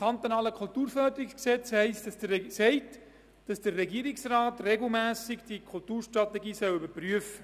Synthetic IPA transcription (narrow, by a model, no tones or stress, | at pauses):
kʰɑnt̪onɑːləkʰultuːɾfœɾdəɾiksksɛt͡shɛɪstssɛɪt | d̥ɑsd̥ərːɛɡiəɾɪksraːtreɡl̩mæːsɪɡd̥ikʰultuːɾʃtrɑtɛɡiːsœlybəɾpryəfə